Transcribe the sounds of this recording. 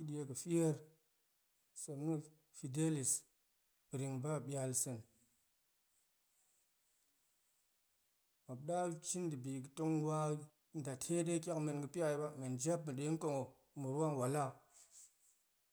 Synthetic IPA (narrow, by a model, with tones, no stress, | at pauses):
ɨ˦ɗi˨e˦kə˨fi˦je˦ɾ | sə˨mnu˦ | fi˨de˦li˨s | bɾi˨ŋba˦ɓi˨a˨lsə˨n | a˨bɗa˦t͡ʃi˦ndɨ˨bi˨ɡə˨to˦ŋwa˦ | n˨da˨tʰe˦de˦kʲa˦kme˨nɡə˨pi˦ja˦˨ba˦me˨nd͡ʒa˦p̚mɨ˨ɗe˨˦ŋ˦ko˦˨ŋo˨ | mu˨ɾwa˦ŋ˨wa˨la˦˨